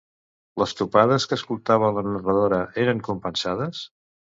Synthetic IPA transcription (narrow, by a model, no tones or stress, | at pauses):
ləst̪upaðəskəːskulˠt̪aβ̞ələnərəðoɾəʔeɾəŋkumpənsaðəs